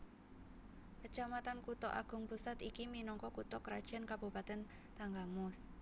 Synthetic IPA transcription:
kət͡ʃamat̪ankut̪ɔʔa̰ɡ̥ʊ̤ŋpusat̪ikiminɔŋkɔkut̪ɔkəɾad̥ʒ̥a̤nkab̥upat̪ɛn | t̪aŋɡamʊs

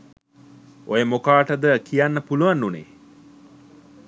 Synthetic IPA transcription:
ʔojəmokaːʈəd̪əkʰijanːəpuluʋanːunḛː

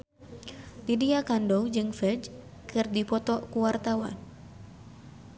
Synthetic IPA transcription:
t̪idiakandowd͡ʒɨŋfɛd͡ʒ | kɨrdipɔt̪ɔkuwart̪awa̰n

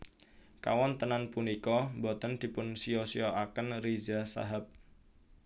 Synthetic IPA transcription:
ka̰wɔnt̪ənanpunikɔmbɔt̪ənd̪̥i̤pʊnsiɔsiɔakənrizasa̰ɦap̚

